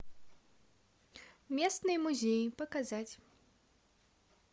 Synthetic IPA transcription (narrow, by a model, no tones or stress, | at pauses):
mʲɛsnɨjmuzʲejpɐkazat͡sʲ